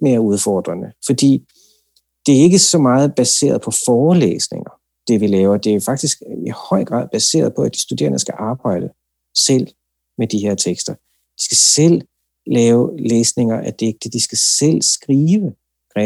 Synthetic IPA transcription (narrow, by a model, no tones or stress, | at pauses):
me̝ːɐuðˠfɒːd̥ʁɐnəfɒ̽d̥ḭː | d̥e̝æɐe̝ɡ̥əsɒ̽mɑ̈ːð̩ˠb̥æse̝̰ːɐð̞̩ˠpʰɒ̽fɒːlḛːsne̝ŋɐ | d̥e̝ʋilɛːʊɐd̥e̝æɐjofɑ̈ɡ̥̚d̥isɡ̥ihɒ̽ɪ̰ɡ̥ʁɑ̈ð̰ˠb̥æse̝̰ːɐð̞ˠpʰɒ̽æd̥i̥sd̥ud̥e̝̰ːɐnəsɡ̥æʔɑ̈ːb̥ɑ̈ɪ̰d̥ə | sel̰ | med̥ihe̝ɐ̰t͡sʰeɡ̥sd̥ɐ | d̥i̥sɡ̥æsel̰ | lɛːʊleːsne̝ŋɐʔæd̥e̝ɡ̥̚d̥əd̥isɡ̥æsel̰sɡ̥ʁiːʋə̥ | ʁɛ